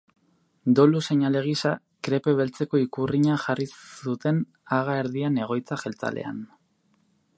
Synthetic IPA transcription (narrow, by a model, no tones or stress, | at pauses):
d̪o̞luse̞ɲale̞ɣ̞isa | kɾe̞pe̞βe̞lt͡se̞ko̞ikuriɲaʝarisut̪e̞n | aɣaeɾðiane̞ɣ̞o̞jt͡saxe̞lt͡sa̰lʔe̞̰a̰n